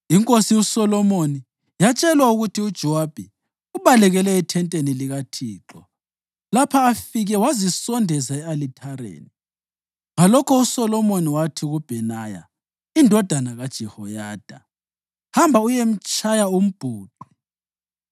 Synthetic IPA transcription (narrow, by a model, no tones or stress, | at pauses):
iŋkʼosiusɔlɔmoni | jat͡ʃʼɛlwauɣutʰiud̥ʒ̥ʱɔwab̥ʱɛ | uβalɛɣɛlɛitʰɛntʼeniliɣatʰiːǁɔ | lapʰaːfiɣɛwazisɔndʱɛzaɛalitʰaɾḛːni | ɣalɔkʰɔusɔlɔmoniwatʰiɣub̥ʱɛnaja̰ | indʱɔd̥ʱanaɣad̥ʒ̥ʱɛhɔjaːd̥ʱa̰ | hambʱaujem̩t͡ʃʼajaum̩b̥ʱuːǃu